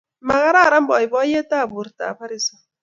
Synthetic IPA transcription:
ma˨ɣa˦ɾa˦˨ɾa˦m˦bɔ˨i˨bɔ˦je˦ta˦˨bu˨ɾta̰˨pa˦ɾi˦sɔ˨

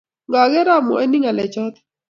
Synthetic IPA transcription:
ŋɡa˨ɡɛ˦ɾa˦˨mɔ̰˨e˦ni˦ŋa˨lɛ˨t͡ʃɔ˦t̪

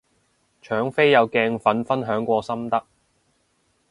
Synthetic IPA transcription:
t͡ʃʰœː˨˥ŋfe˥jjɐ˨˧wkɛː˧ŋfɐ˨˥nfɐ˥nɦœː˨˥ŋkʷɔː˧sɐ˥mt̪ɐ˥k̚

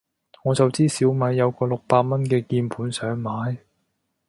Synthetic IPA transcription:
ŋɔː˨˧t͡sɐ˨wt͡siː˥siː˨˥wmaː˨˧jːɐ˨˧wkɔː˧lʊ˨k̚paː˧t̚mɐ˥nkɛː˧kiː˧npʰuː˨˥nsœː˨˥ŋmaː˨˥j

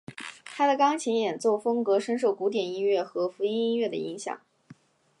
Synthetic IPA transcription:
t̪ʰa˥d̪ə˨kɑ˥ŋt͡ɕʰi˧˥ŋjɛ˨˩nt͡swɔ˥˩fɤ˥ŋkɤ˧˥ʂə˥nʂ̬o˥˩ʊku˧˥t̪jɛ˨˩ni˥nɥɛ˥˩xɤ˧˥fu˧˥i˥ni˥nɥɛ˥˩d̪ə˩i˧˥ŋɕjɑ̰˨˩˦ŋ

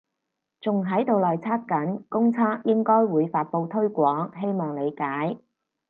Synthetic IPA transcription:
t͡sʊ˨ŋɦɐ˨˥jt̪o˨wlɔː˨jt͡sʰaː˥t̚kɐ˨˥nkʊ˥ŋt͡sʰaː˥k̚jɪ˥ŋkɔː˥jwuː˨˧jfaː˧t̚po˧wt̪ʰɵ˥ɥkʷɔː˨˥ŋɦe˥jmɔː˨˩ŋle˨˧jkaː˨˥j

